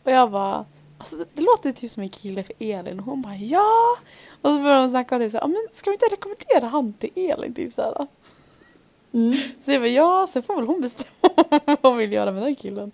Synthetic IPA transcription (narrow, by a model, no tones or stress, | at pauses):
ɔjɑːɡbɑ | asɔd̪ɛd̪ɛloːt̪ət̪ʰyːpsɔmɛnkʰɪlːəfœʔeːlɪ̰nɔɦʊnbɑːjɑː | ɔsɔbœɾjahʊnsnakːamat̪ʰyːpsæːʔɑ̰ːmɛnskad̪ʊɪnt̪əɾɛkɔmɛnd̪̥eːɾaɦanːt̪ʰɪlʔeːlʔɪ̰nt̪ʰy̰ːpsæ̰ːɾa̰ | sɔjɑbɑjɑːsɛnfoːɾvɛlhʊnbɛst̪ɛmːavhʊnvɪljœ̰ːɾamɛd̪ɛnkʰɪlːən